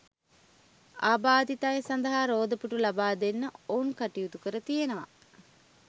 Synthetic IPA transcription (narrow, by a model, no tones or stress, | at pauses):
aːbaːd̪it̪ajesand̪əɦaːɾoːd̪əpuʈulabaːd̪enːəounkaʈijut̪ukəɾət̪ijenəʋa̰